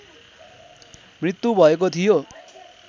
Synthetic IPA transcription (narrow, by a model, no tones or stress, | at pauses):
mɾit̪ːubʱʌekot̪ʰijo